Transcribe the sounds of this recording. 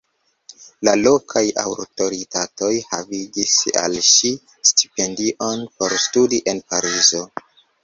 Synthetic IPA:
lalo̞kʰaja̰wɾto̞ɾitato̞jhaviɡisa̰lʃi | sti̥pe̞ndiʔo̞npo̞ɾstudiʔe̞npaɾizo̞

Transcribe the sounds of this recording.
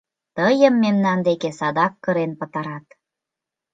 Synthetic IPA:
t̪əjə̆mːemnɑnd̪ekesɑd̪ɑkːɤ̆ɾenpə̆t̪ɑɾɑt̪

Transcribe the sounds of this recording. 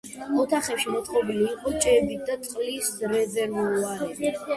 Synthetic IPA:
ɔt̪ʰaχɛpʃimɔt̪ʰχʼɔbiliːqʼɔt͡ʃʼɛbit̪̚d̪at̪sʼqʼlisɾɛzɛɾuaɾɛ

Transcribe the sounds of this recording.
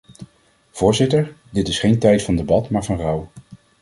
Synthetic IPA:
v̥ʊːɹzɪtəɹdɪtɪsχejntɛjtfɑndəbɑtmaːɹvɑnrɑw

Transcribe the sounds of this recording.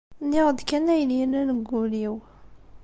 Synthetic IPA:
nːiʁd̪kænæjliənænəɡːuliw

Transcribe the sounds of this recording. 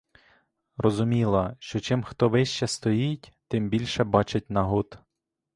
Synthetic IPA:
rɔzʊmʲilˠɐʃt͡ʃɔt͡ʃɪmxt̪ɔʋɪʃt͡ʃɛst̪ɔjitʲt̪ɪmbʲilʲʃɛbɑt͡ʃɪt̚ʲnɐɦut̪

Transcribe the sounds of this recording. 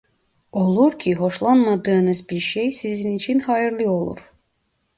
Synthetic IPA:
olˠuɾcʲʰiɦo̞ʃlˠɑnmɑd̪ɯːnɯzbiɾʃejsizinit͡ʃʰinhɑjɯɾlˠɯo̞lˠṵɾ

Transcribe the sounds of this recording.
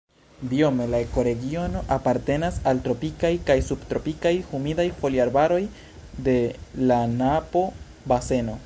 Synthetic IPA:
dio̞me̞laeko̞ɾe̞ɡio̞no̞ʔapaɾte̞nasaltɾo̞pikajkajsubt̪ɾo̞pikajhumidajfo̞liaɾbaɾo̞j | de̞lanapo̞ | base̞no̞

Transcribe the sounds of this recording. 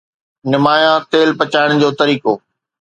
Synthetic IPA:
nɪmaːjãt̪eːlpɐt͡ɕaːɪɽ̃d͡ʑoːt̪ɐɾiːkoː

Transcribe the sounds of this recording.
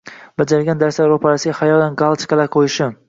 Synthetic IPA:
bad͡ʒaɾɡʲand̪aɾslaɾopʰaɾasɪɡʲahajɒlanɡalˠt͡ʃ̪ʰɪ̥kɑlaqʰojɪʃɪ

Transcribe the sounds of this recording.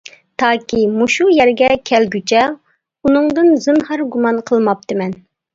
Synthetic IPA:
t̪ʰɑːkʲimuʃujɛɾɡʲɛkʲʰɛlɡʲyt͡ʃʰɛ | unɨŋd̪ɨnzɨnhɑɾɡumɑnqʰəlˠmɑp̚t̪ʰɨmɛn

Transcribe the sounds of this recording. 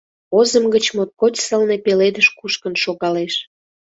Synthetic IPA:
ozəmɡət͡ɕmot̪̚kot͡ɕʲsəlnepeled̪əʃkuʃkənʃoɣɑleʃ

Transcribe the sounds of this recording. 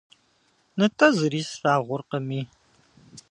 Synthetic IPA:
nɨtʰɐzɨɾiːsʂaːʁʷʊrqəmiː

